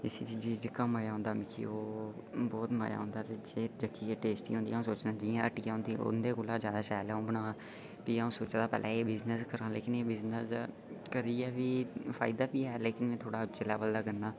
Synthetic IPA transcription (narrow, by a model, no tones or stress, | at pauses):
ɪsid͡ʒiːd͡ʒiːd͡ʒəkːãːmaːjaːɦõnd̪aːmɪkʰḭːoːbɔːt̪ma̰ːja̰ːɦõnd̪aːt̪eːd͡ʒeːd͡ʒəkʰːiːeːʈeːsʈḭːɦõnd̪iːãːsoːt͡ʃd̪ãːd͡ʒijãəʈiːãːɦõnd̪iːʊ̰nd̪eːkoːlaːd͡ʒjaːd̪aːʃaːlaːũːbəɽãː | kiːaũːsoːt͡ʃd̪aːpɛ̰ːlʔa̰ːeːbɪznəskəɾãːleːkɪneːbɪznəs | kəɾiːɛːʋiːpʰaːɪd̪aːpiːɛːleːkɪnmɛ̃ːt̪ʰoːɽaːʊt͡ʃɪlaːbəld̪aːɡənːaː